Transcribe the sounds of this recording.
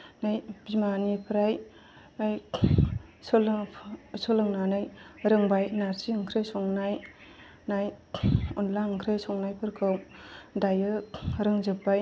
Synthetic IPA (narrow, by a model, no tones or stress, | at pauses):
najb̥imanipʰɾaj | aj | sol | sɔlɯŋnanɯjɾɯŋbajnaɾsiɯŋkʰɾejsɔŋnaj | najɔnlaɯŋkʰɾejsɔŋnajpʰɯɾkʰɯmdajɯɾɯŋzɯpbaj